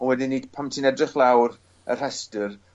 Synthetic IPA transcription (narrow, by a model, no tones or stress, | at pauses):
ɔnwɛdiniːd̥pʰamtʰinɛdrɪχlˠawɾ | ə̰r̥ɛstər